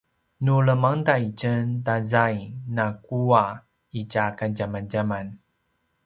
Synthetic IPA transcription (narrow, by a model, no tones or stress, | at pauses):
nuɭəmaŋdait͡ɕəntazajnakua | icakanɟamanɟaman